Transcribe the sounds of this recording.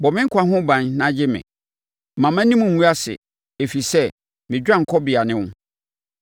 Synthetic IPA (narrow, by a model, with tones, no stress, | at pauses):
bɔ˨mɪ̃˦ŋ̩˦kʰa˦ɦʊ̃˦bã˨nnã˦d͡ʑɪ˦mɪ̰̃˨ | mã˨mã˦nĩ˦mũ˨mũ˦a˦sɪ̰˨ | e˨fi˨sɛ˦˨ | mɪ̃˨d͡ʑᶣã˦˨ŋ̩˨kʰɔ˦bɪ˨a˨nɪ̃˦wʊ̃˦